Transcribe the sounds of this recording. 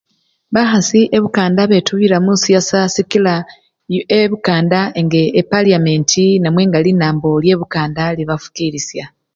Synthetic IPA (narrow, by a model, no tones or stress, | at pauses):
βaxasiʔeβukaːndaβe̞tuβiɾamusijasasikila | eβukaːndaeŋɡeːpaliame̞ntʰinamwe̞ːŋɡalinaːmbo̞lje̞ːβukaːndaliβafu̥kiːɾisja